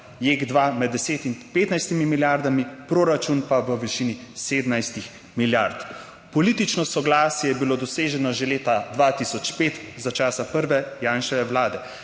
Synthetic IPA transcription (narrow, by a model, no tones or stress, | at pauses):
jeːɡd̪ʋamɛd̪ːɛseːt̪inpeːt̪najst̪imimiljaɾd̪amipɾoːɾat͡ʃunpaʋəʋiʃiniseːd̪najst̪ix | miljaɾt̪ | pɔliːt̪it͡ʃnɔsɔɡlaːsjɛjɛbilod̪ɔseːʒɛnɔʒeleːt̪ad̪ʋat̪isɔt͡ʃpeːt̪zat͡ʃaːsapəɾʋɛjaːnʃɛʋɛwlaːd̪ɛ